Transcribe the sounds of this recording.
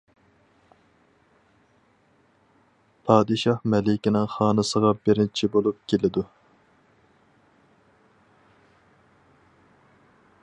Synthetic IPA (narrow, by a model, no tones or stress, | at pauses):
pʰɑːd̪ɨʃɑhmɛlɪkʲinɪŋχɑːnɨsəʁɑbɪɾɪnt͡ʃʰibolˠup̚kʲʰelɪd̪u